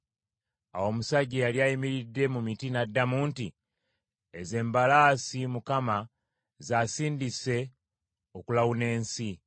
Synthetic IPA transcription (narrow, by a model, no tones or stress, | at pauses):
a̰wo̞musaɟejaljaːjimiɾidːe̞mumitinadːamuːnti | eze̞ːmbalaːsimukama | zaːsiːndise̞ | o̞kulawune̞ːnsi